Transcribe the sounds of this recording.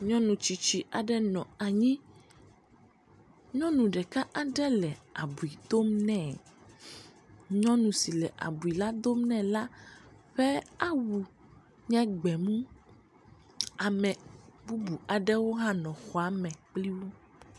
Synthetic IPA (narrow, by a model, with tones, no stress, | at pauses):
ɲɔ̃˦nũ˨t͡ʃi˨t͡ɕi˨ʔa˨ɖɛ˦nɔ̃˨a˨ɲĩ˦ | ɲɔ̃˦nũ˨ɖɛ˨ka˦ʔa˨ɖɛ˦lɛ˨a˨bu˨i˨d̪o˦mnɛ̃˦˨ | ɲɔ̃˦nũ˨si˨lɛ˨ʔa̰˨bu˨i˨la˦d̪o˦m˦nɛ̃˦la˦ɸɛ˦a˦wu˨ | ɲɛ̃˦ɡ͡bɛ˨mũ˦ | a˨mɛ̃˨bu˦bu˨a˨ɖɛ˦wo˦ɦã˦nɔ̃˨xɔ˨a˨˦mɛ̃˨k͡pli˦wo˦